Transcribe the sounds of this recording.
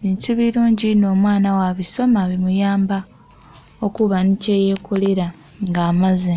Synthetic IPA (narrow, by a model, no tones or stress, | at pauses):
βiːntuβiɾuːɲɟino̞ːmwaːnawaβiso̞maβimujaːmba | okuβaniceje̞ːkʰuliɾa | ŋɡaːmazi